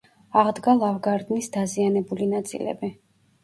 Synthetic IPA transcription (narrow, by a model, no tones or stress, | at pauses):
aʁd̪ɡalˠavɡaɾd̪nisd̪azianɛbulinat̪sʼḭlɛ̰bi